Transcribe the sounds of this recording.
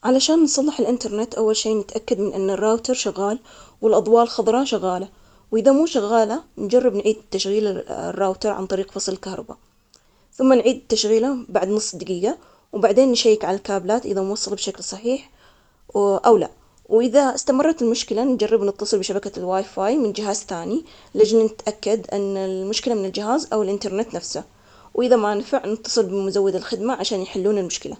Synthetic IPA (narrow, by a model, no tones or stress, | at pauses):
ʕalaʃaːnːsˤɑlːɪħɪlʔɪnt̪ɑɾˤnɪt̪ʔawːalʃiːnɪt̪ʔakːad̪mɪnʔɪnːarːaːwt̪ɑɾˤʃʊɣːaːl | wɪlʔɑd̪ˤwɑːlxɑðˤɾˤɑʃaɣːaːla | wʔɪðamuːʃaɣːaːland͡ʒarˤːɪbnʕiːd̪t̪ːaʃɣiːla̰rːaːwt̪ɑɾˤʕa̰nt̪ˤɑɾiːqfɑsˤlɪlkahɾˤɑ̰ba̰ | θʊmːanʕiːd̪t̪ːaʃɣiːlabaʕd̪nʊsˤːd̪aɡiːɡa | wbaʕd̪eːnːʃajːɪkʕalalkaːblaːt̪ʔɪðanwɑsˤːɑlbʃaklsˤɑħiːħ | ʔawla̰ | wʔɪðaɪst̪amɑrˤːɑt̪ɪlmʊʃkɪland͡ʒarːɪbnɨt̪ːɑsˤɨlbɪʃabakalwaːjfaːjmɪnd͡ʒɪɦaːzθaːni | lad͡ʒnnɪt̪ʔakːad̪ʔɪnːalmʊʃkɪlamɪnɪld͡ʒɪɦaːzʔawɪlʔɪnt̪ɑɾˤnɪt̪nafsa | wʔɪðamanfaʕnɪt̪ːɑ̥sˤɨlbɪmʊzawːɪd̪ɪlxɪd̪maʕaʃaːnjħɪlːuːnɪlmʊʃkɪla̰